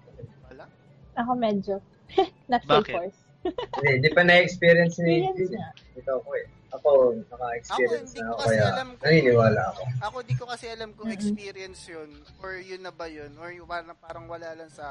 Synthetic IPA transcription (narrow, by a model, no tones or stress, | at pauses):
ʔɐkomɛd͡ʒo | nɐt̪fikoɹs | d̪ɛd̪ɪpɐnɐɛkspiːɾɪjɐnsnid̪i | ɪt̪oɐko̞ɛ | ʔɐkomɐŋaɛkspiːɾɪjɐnsnɐɐkokɐjanɐniːnɪwaːlɐ̰ɐko̞ɐkod̪ikokɐsɛɐlamkopiːɾiɛnsjon | oɹjʊnːɐbɐjonoɹpaɾɐŋpaːɾɐŋwɐlalɐnsɐ